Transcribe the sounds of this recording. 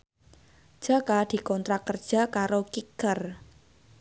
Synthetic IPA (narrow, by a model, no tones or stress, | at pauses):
d̥ʒ̥a̤kad̪̥i̤kɔnt̪ɾakərd̥ʒ̥a̤kaɾokikər